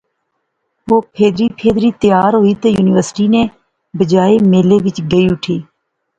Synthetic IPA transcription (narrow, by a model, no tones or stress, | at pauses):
ʋoːpʰeːd̪ɾiːpʰeːd̪ɾiːt̪əjaːɾɦoːiːt̪əjuːnɪːʋəɾsʈiːnẽː | bəd͡ʒaːeːmeːleːʋɪt͡ʃɡəiːʊʈʰiː